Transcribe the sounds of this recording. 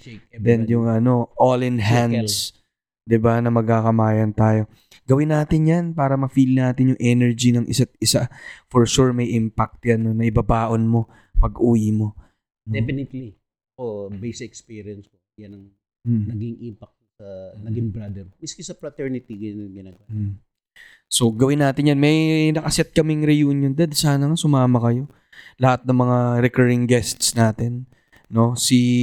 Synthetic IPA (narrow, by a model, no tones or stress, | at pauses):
d̪ɛnjʊŋʔɐno̞ʔolɪnɦand̪s | d̪ɪbanɐmɐɡ̚akɐmaːjɐnt̪aːjo̞ | ɡɐwɪnːaːt̪ɪnjanpaːɾɐmɐfilnaːt̪ɪnjʊŋʔɛnɛɹd͡ʒinɐŋʔɪ̰sat̪̚ɪsafoɹʃuɹmɐjʔɪmpak̚t̪jɐnonɐʔɪbɐbaːʔo̞nmo̞ | pɐɡʔuːjɪmo̞ | d̪ɛpɪnɪt̪li | ʔobejsɛkspiːɾijɐnskojɐnɐŋ̩ | nɐɡiŋʔimpɐk̚t̪sɐnɐɡɪŋbɾad̪ɛɾmɪskɪsɐpɾɐt̪ɛɹnɪt̪iɡɐnɐɡɪnaɡwam | so̞ɡɐwɪnːaːt̪ɪnjanmɐjnɐkɐsɛt̪̚kɐmɪŋɾɛjuːnjond̪ɛd̪saːnɐŋasʊmaːmɐkɐjo̞ | lɐhat̪̚nɐŋmɐŋaɾɛkɛɹɪŋɡɛst̪snaːt̪ɛnː | o̞si